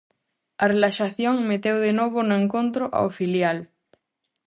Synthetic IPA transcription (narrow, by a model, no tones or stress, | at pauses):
arelaʃaθjoŋmet̪ewðenoβ̞onʊẽŋkont̪ɾoʔa̰ofiljal